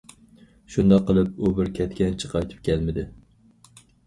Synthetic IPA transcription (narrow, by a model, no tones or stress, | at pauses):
ʃʊnd̪ɑqːɨlˠɪp̚ʊbɪɾkʲʰɛt̪kʲɛnt͡ʃʰɪ̥qʰɑjt̪ʰɪ̥p̚kʲʰælˠmɪd̪ɪ